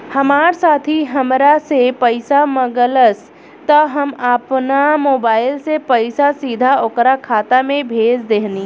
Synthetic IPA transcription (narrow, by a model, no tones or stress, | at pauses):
hɐmaːɾsaːt̪ʰiɦɐmɾasepəɪsamɐɡələs | t̪ɐɦɐmapnamoːbaːɪlsepɐɪsasiːd̪ʱaokɾakʰaːt̪amẽbʱeːd͡ʒd̪eɦniː